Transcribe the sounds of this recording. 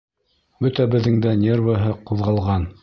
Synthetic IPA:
bɵt̪æbɘ̆ðːɘŋd̪ænʲervəɦɤquðʁɑlˠʁɑn

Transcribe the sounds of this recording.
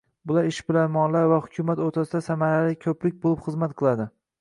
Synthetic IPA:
bʊlaɾɪʃbɪlaɾmɒnlaɾvahʊkʲʰʊmat̪oɾt̪ʰasɪd̪asamaɾalɪkʲʰɵplɪk̚ʲbolˠɪpχɨzmat̪̚qʰɨlˠad̪ɪ

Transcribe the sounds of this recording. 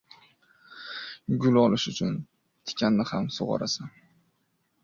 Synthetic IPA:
ɡʲʊlɒlɪʃʊt͡ʃʰʊn | t̪ʰɪ̥kʲʰanːɪhamsʊ̰ʁɑ̰ɾa̰sɪn

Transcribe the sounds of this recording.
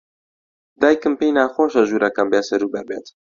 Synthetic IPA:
d̪aːjkɨmpejnaːxoːʃɐʒuːɾʔɐkɐmbeːsɐɾuːbɐɾbeːt̪

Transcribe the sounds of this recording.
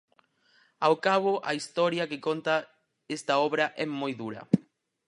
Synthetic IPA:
awkaβ̞oʔa̰ist̪ɔɾjakekont̪a | est̪aɔβɾɐʔɛmojðuɾɐ̰

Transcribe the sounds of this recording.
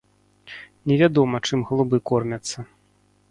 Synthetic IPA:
nʲɛvʲad̪ɔmɐt͡ʂɨmɣɐlˠubɨkɔrmʲɐt̪sːɐ

